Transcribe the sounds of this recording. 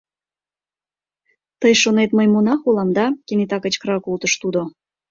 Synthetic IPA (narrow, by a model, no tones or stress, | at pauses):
t̪əjʃonet̪məjmonɑxolɑmd̪ɑkʲenit̪ɑkət͡ɕkɾɑkult̪əʃt̪ud̪o